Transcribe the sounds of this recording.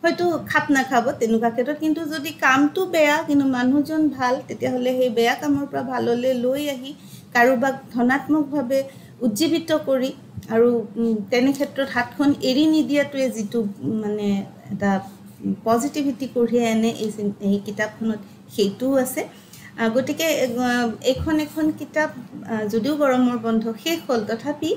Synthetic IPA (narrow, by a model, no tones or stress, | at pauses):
hɔjtʊkʰap̚nakʰabɔtɛnʊkakʰɛtɹɔt̚kintuzodikamtʊbɛɹakintumanuzɔnbʱaltetijaɦolɛxejbɛjakamɔɹpɔɹabʱalɔlɛlojaɦi | kaɹubak̚dʱɔnatmɔk̚bʱabɛ | uzibʱitɔkoɹi | aɹutɛnɛkʰɛtɹɔtɦat̚kʰɔneɹinidijatʊɛzitʊmanɛ | ɛ̰ta | pɔzitibʱitikoɹijɛjanɛʔejkitap̚kʰɔnɔt̚ | xejtʊasɛ | ɡotikɛ | ejkʰɔnɛkʰɔnkitap̚zodiʊɡɔɹɔmɔɹbɔndʱɔxejkʰoltɔtʰapi